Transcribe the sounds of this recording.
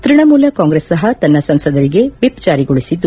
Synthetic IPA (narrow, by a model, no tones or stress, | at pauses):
t̪ɾiɳɐmuːlɐkaːŋɡɾeːsːɐɦɐt̪ɐnːɐsɐnsɐd̪ɐɾiɡe̞ʋipd͡ʒaːɾiɡoɭisid̪ːu